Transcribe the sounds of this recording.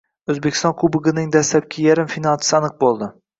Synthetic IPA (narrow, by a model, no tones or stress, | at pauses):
ɵzbekʲʰɪ̥st̪ɒnkʰʊbɨɡɨnɪŋd̪aslap̚kʲʰajaɾɪmfinalˠt̪ʰɪ̥sanɨq̚bolˠd̪ɪ